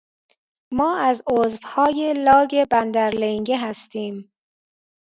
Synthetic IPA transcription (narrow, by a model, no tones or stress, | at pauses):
mɒːæzozvhɒːjelɒːɡebænd̪æɾleŋɟeɦæst̪iːm